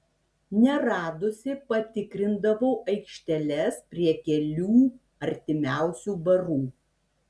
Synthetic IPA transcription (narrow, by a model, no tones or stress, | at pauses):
nʲɛɾɑːd̪ʊsʲɪpɐt̪ʲɪkɾʲɪnd̪ɐʋoːʔɐɪkʃʲt̪ʲɛlʲɛspʲɾʲiɛkʲɛlʲuː | ɐɾʲt̪ʲɪmʲæˑʊsʲuːbɐɾuː